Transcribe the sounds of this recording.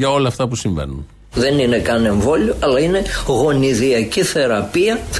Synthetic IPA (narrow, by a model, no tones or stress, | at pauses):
ʝɐo̞lɐːft̪ɐpusiɱvḛnun | ðe̞nine̞kɐne̞ɱvo̞lioɐlɐine̞ɣo̞niðiɐciθe̞ɾɐpiɐ